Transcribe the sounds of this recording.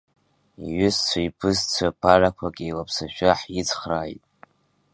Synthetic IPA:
iɥʏst͡sʷʰaipʰɨzt͡sʷʰapʰarakʷʰaɡʲʼilapʰsaʃᶣaħjit͡sʰχraːjtʼ

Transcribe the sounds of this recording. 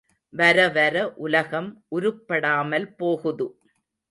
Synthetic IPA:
ʋɐɾɐʋɐɾɐʔʊlɐɣɐmʔʊɾʊpːɐɽaːmɐlpoːɣɯðɯ

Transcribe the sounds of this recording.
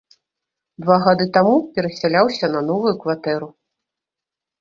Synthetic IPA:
d̪vaɣad̪ɨt̪amupʲɛɾɐsʲalʲawsʲɐnɐn̪ɔvujukvat̪ɛɾu

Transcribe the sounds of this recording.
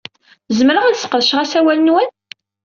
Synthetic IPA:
zəmɾəʁæðsə̥qəðʃʁæsæwælənwən

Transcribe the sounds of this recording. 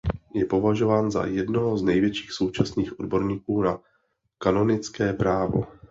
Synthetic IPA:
jɛpo̞vaʒo̞vaːnza̰jɛdnoɦoznɛjvjɛt͡ʃi̥ːxso̞wt͡ʃasniːxʔodbo̞ɾɲiːkuːna | kano̞nɪt͡skɛːpɾaːvo̞̰

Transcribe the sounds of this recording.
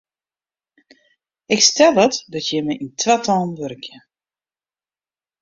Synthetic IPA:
ɪkstɛlˠətdɔtjɛməʔintʰʋatʰɔlˠnʋøɾkʰjə

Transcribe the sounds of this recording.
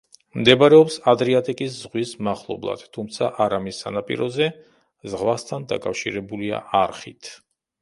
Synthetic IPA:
md̪ɛbaɾɛɔpsad̪ɾiat̪ʼikʼiszʁwismaχlˠɔ̰blˠa̰d̪̥t̪ʰumt̪sʰaʔaɾamisːanapʼḭɾɔzɛ | zʁvast̪ʰand̪a̰kʼafʃiɾɛbulia̰ʔaɾχit̪ʰ

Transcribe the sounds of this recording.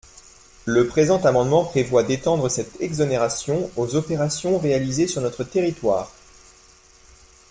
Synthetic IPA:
ləpχezɑ̃t̪amɑ̃d̪mɑ̃pχevwad̪et̪ɑ̃d̪ʁəsɛt̪ɛɡzɔneʁasjɔ̃ozɔpeʁasjɔ̃ʁealizesyʁnɔt̪χət̪eʁit̪wa̰ːʁ

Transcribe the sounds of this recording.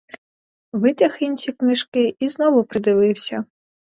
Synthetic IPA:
ʋɪt̪ʲɐxinʲʃʲiknɪʃkɪiznɔʋʊpɾɪd̪ɪʋɪwsʲɐ

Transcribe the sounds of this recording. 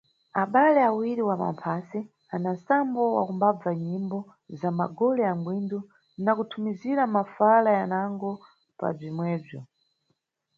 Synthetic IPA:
aɓalɛawiɾiwama̰mpʰasi | anansambɔwa̰kumbab͡vaɲimbɔ | zamaɡɔlɛaŋɡwindu | nakutʰumiziɾamafalajanaŋɡɔ | pa̰b͡ʐimwɛːb͡ʐɔ

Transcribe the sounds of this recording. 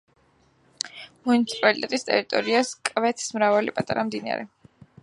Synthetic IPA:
munit̪sʰi̥pʼalit̪ʼɛt̪ʼist̪ʼɛ̰ɾit̪ʼɔɾiaskʼvɛt̪ʰsmɾavalḭpʼat̪ʼaɾamd̪ina̰ɾɛ

